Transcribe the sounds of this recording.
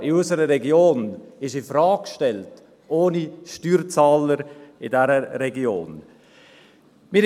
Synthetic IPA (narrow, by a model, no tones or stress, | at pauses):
ɪɔsəɾəɾɛɡjoːnɪʃɪfɾaːkʃtɛlt | ʔoːniʃtyːɾt͡saːləɾɪdɛɾəɾɛɡio̰ːn | mɪ